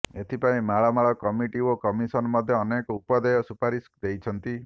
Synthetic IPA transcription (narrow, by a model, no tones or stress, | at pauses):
et̪ʰipaĩmaɭamaɭɔkɔmiʈiokɔmisɔnɔmɔd̪ʱjɔːnekɔupɔd̪ɔjɔsupaɾisd̪ejt͡ʃʰɔnt̪i